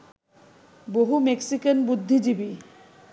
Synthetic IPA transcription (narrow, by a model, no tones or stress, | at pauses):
boɦumeksikanbud̪ʱːid͡ʑibi